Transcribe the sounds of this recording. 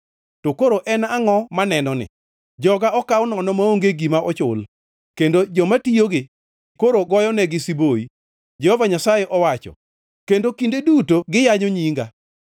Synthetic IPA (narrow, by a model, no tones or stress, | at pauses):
tokoɾoʔɛnaŋɔmanɛnɔnɪ̰ | d͡ʒɔɡaɔkawʊnɔnɔmaoŋɡeɡimaʔɔt͡ʃʊl | kendod͡ʒɔmatijoɡɪ | koɾoɡɔjɔnɛɡɪsiboi | d͡ʒɛhɔvaɲasajeʔɔwat͡ʃɔ̰ | kendokindedutoɡɪjaɲoɲiŋɡa